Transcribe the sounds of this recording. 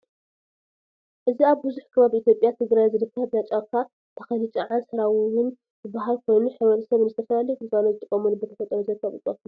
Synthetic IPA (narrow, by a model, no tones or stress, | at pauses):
ʔɨziaβbɨzuħkʰɨβaβiʔit̪ʰjo̞pʼjat̪ʰɨɡɾajzɨdɨkʰːaab̪nat͡ʃʼakʰa | t̪ʰɐ̥xɐlit͡ʃʼɐʕansɨɾawwɨn | bɨbaɦalkʰo̞jnuħɨβɐt̪ʰɐsɐβnzɨt̪ʰɐfɐlalikɨzanozɨt̪ʼɨkʼːɐmunubɨt̪ʰɐfɐt̪ʼɐɾozɐkʰːaβɨkʼot